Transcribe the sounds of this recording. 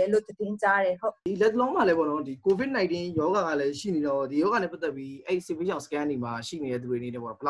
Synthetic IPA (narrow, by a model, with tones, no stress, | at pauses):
ɛ˨lo˦˨d̪ədɪ̃˦t͡ɕa˦ɾɛ˨ɦo˦˨di˨lɛ˦t̪əlõ˦ʊ̃ma˨lɛ˦pɔ̰˦˨nɔ˦di˨ko˨bɪ˦t̚nã˨ɪ̃ntɪ̃˦jɔ˨˦ɡa˨ɡa̰˦˨lɛ˦ʃḭ˦˨ne˨ɾɔ˦˨di˨jɔ˦ɣa˨nɛ˦pːa˦t̪ɛ˦˨pːji˦ʔɛ˦ɹi˦˨se˦˨be˦ʃã˨sə̥˦kã˦ndi˨ma˨ʃḭ˦˨ne˨ɾɛ̰˦d̪̬u˨e˨əne˨nɛ˦˨pɔ̰˦˨nɔ˦bəla˦